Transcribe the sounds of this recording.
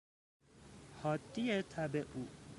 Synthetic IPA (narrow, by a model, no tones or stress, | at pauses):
hɒt̪ːiet̪ʰabeʔu